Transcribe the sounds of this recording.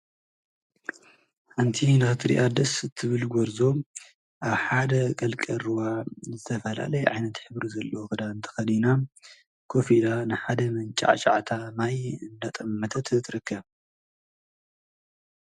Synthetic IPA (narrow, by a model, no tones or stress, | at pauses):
ħant̪ʰinɨxɨt̪ʰɨɾḭʔad̪ɐsɨt̪ʰːɨβɨlɡʷɔɾzo̞ | ʔaβħad̪ɐkʼɐlkʼɐɾɨwazɨt̪ʰɐfɐla̰lɐjʕajnɐt̪ħɨβɾizɐlːooxɨd̪aɨnt̪ʰɐ̥xɐd̪ina | kʰofid̪anɨħad̪ɐmɐnt͡ʃʼa̰ʕt͡ʃʼa̰ʕt̪ʰamajɨnd̪at̪ʼɐmːɐt̪ʰɐt̪t̪ʰɨɾɨkʰːɐβ